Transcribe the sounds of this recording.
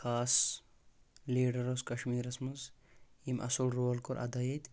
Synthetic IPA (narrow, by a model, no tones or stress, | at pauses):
xaːs | liːɖɐɾoskɐʃmiːɾɐsmɐzimʔɐ̰sulɾoːlkoɾʔɐ̰d̪ɐjet̪ʲ